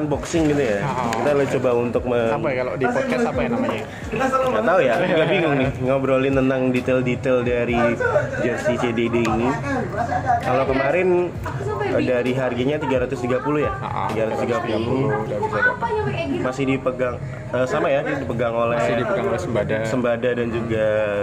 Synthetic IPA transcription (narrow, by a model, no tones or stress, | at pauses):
nbɔksɪŋɡit̪ujakit̪alt͡ʃobaunt̪ʊk̚məaakalodipɔt̪̚kɛsapajanamaɲa | ŋɡat̪aujaɡabiŋʊŋnɪŋawbəɾolɪnənaŋdit̪eldit̪eldaɾid͡ʒɛst̪it͡ʃededeini | kalowkəmaɾɪn | daɾiɦarɡaɲat̪iɡaɾat̪ʊst̪iɡapulʊhjaaʔt̪iɡaɾat̪ʊst̪iɡapuluuluɡadisadamasɪhdipəɡaŋ | əsamajadidipəɡaŋolɛdipəɡaŋolsəmbadassəmbadadand͡ʒuɡa